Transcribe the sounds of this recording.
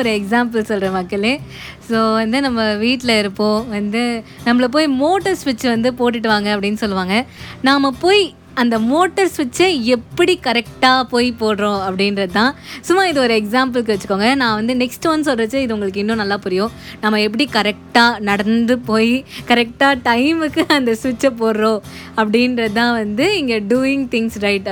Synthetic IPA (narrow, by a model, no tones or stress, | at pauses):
ɔɾɯɛks̬aːmp̬ɐlsɔlrɐːmɐkːɐleː | soːʋɐnd̪ɯnɐmːɐʋiːʈːlɐɪɾɯpːõːʋɐnd̪ɯnɐmːɐɭɐp̬oːjmoːʈːɐɾsʋɐt͡ʃːɯʋɐnd̪ɯpoːʈ̬ːɪʈ̬ːɯʋaːŋɡɐɐpːɐɽɪnːɯsɔlːɯʋaːŋɡɐnaːmɐpoːj | ɐnd̪ɐmoːʈːɐɾsʋɛt͡ʃːɯɛpːɐɽikɐɾɛk̚ʈaːpoːjpoːɽɾõːɐpːɐɽɪnɾɐðɯt̪ãːsʊmːaːɪðɯɔɾɯɛks̬aːmp̬lk̬ːɯʋɐt͡ʃːɯ̥kːoːŋɡɐnãːʋɐnd̪ɯnɛksʈʋɐns̬ɔlɾɐt͡ʃːɯɪðɯʊŋɡɐɭɯkːɯɪnːõnɐlːaːpʊɾɪjõːnɐmːɐɛpːɐɽikɐɾɛk̚ʈaːnɐɽɐnd̪ɯpoːjkɐɾɛk̚ʈaːʈɐɪmɯkːɯɐnd̪ɐsʋɪt͡ʃːɐpoːɽɾõː | ɐpːɐɽɪnɾɐt̪ãːʋɐnd̪ɯɪŋɡeɖuːɪŋɡt̪ɪŋɡsɾɐɪʈ